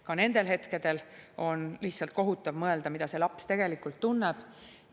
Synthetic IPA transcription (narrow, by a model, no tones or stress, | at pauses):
kɑne̞nd̪̥e̞lɦe̞t̪ke̞d̪̥e̞lo̞nliht̪sɑlt̪̚ko̞ɦut̪ːˑɑvmɤe̞ld̪̥ɑmid̪̥ɑse̞lɑpst̪e̞ɡ̥e̞likːˑult̪ːunːeb̥